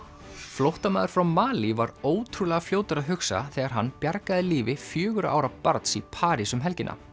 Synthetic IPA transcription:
flowht̪amaːðʏɾ̥fɾawmaːlivaɾoːwt̪ʰɾulɛɣafljoːwt̪ʏɾaðɦʏksa̰θɛːɣaɾ̥ɦanːpjaɾkaðɪliːvɪfjœːɣʏɾʔa̰ːwɾapaɾt̪sipʰaːɾisʏmɦɛlcɪnʔa̰

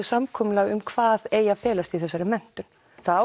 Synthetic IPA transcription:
ʏsamkʰɔːmʏlaɣʏmkʰv̥aːðeːjafɛːlast̪iθɛsːaɾɪmɛn̥t̪ʏn | θaðaː

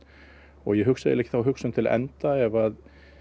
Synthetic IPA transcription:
ɔɣjɛɦʏksaðɪ̰lɛhcːɪ̥θawɦʏksʏnt̪ʰɪl̰ʔɛ̰nt̪aɛvað

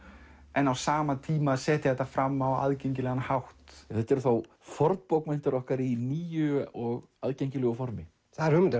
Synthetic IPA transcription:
ɛnawsaːmat̪ʰiːmasɛːt̪ɪθɛht̪afɾamːawa̰ðcejɲcɪlɛɣanhawht̪θɛt̪ːɛɾʏθow | fɔɾt̪powkmejnt̪ʏɾɔhkaɾiniːjʏɔɣ | aðcejɲcɪlʏɣʏfɔɾmɪ | θaðɛɾhʏmɪnt̪

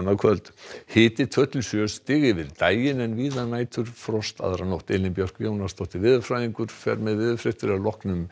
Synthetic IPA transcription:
naðkʰvœlt̪hɪːt̪ɪt̪ʰœht̪lsjœst̪ɪːɣɪvɪðt̪aːjɪnɛnviːðanaːjt̪ʰʏɾ̥fɾɔst̪a̰ðɾanowht̪eːlɪmpjɔr̥kjoːwnast̪ɔht̪ɪvɪðʏfɾaðiŋkʏɾ̥fɛɾmɛðvɪðʏfɾɪht̪ɪɾalɔhknʏm

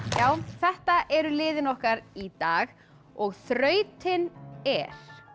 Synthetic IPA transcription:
jaːwθɛht̪aʔɛɾʏlɪːðɪnɔhkaɾit̪aːɣ | ɔɣθɾœːɥt̪ʰɪnɛɾ̥

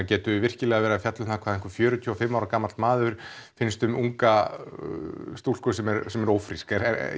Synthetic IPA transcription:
acɛːt̪ʏvɪr̥cɪlɛɣavɛːɾafjat̪lʏmθakʰvaðɪŋkʏɾfjœːɾʏt̪ʰjɔːafɪmːaːwɾakaːmːalt̪maːðʏɾ̥fɪnst̪ʏmuŋka | st̪uːlskɔːsɛmɛɾsɛmɛɾowfɾiskɛɾɛ̰

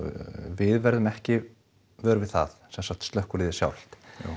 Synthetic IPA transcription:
vɪðvɛɾðʏmɛhcɪ | vœːɾʏvɪðθa̰θsɛnsaht̪st̪lœhkʏɾlɪðɪsja̰wl̥t̪

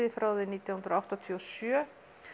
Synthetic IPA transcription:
ðɪfɾaːwðɪniːt̪jawhʏnɾoawht̪at̪ʰiɔsjœ

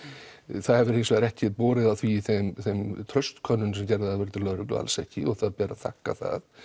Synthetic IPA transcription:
θaðhɛvʏɾejnsvɛːɾɛhcɪpɔːɾɪðaθviθɛmθɛmt̪ʰɾœɥst̪kʰœnːʏnsɛmcɛɾðɪaðvɛɾt̪ɪlœɾʏklʏ̰a̰lsɛ̰hcɪɔɣθaðpɛːɾaθa̰hkːa̰θa̰ð

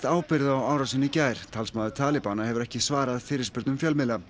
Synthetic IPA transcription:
t̪aːwpɪɾðaːwaːwɾasɪnːɪicaːjɾ̥t̪ʰalsmaːðʏt̪ʰaːlɪpaːnahɦɛvʏɾɛhcɪsvaːɾaðfɪːɾɪɾspɪɾt̪nmfjœlmɪla

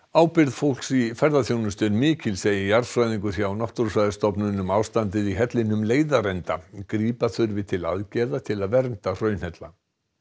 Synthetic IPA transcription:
aːwpɪɾðfowl̥ksifɛɾðaθjownʏst̪ʏnmɪːcɪlseːjɪijaɾfɾajðiŋkʏθjawnɔht̪ʊɾsvajðɪst̪ɔpnʏnːʏmaːwst̪ant̪̬ɪðiɦɛt̪lɪnʏmleːjðaɾɛnt̪akɾiːpaθʏɾvɪt̪ʰɪla̰ðcɛðat̪ʰɪlaðvɛɾnt̪ar̥œɥnhɛt̪la

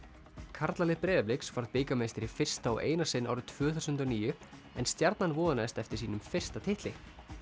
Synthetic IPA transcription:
kʰaɾt̪lalɪpɾɛːðɪplɪksfaɾðpɪkamejst̪ɪɾifɪr̥st̪aɔ̰ʔḛːjnasɪnːa̰wɾʏt̪ʰv̥œːθœsʏnt̪ʏɔniːjʏ | ɛnst̪jaɾt̪nanvɔːðanaɛst̪ɛft̪ɪɾ̥siːnʏmfɪr̥st̪at̪ʰɪht̪lɪ

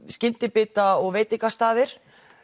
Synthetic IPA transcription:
scɪnt̪ɪpɪːt̪aɔɣveːjt̪ɪŋkast̪aːðɪɾ̥

